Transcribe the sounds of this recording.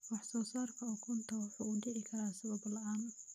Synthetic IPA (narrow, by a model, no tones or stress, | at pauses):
wɑħsɔːsaːrkʰɐɔːkʰɔnt̪ʰɐwʊħṵːɖɪʕɪkʰɐɾaːsɐβɐblɐʔaːn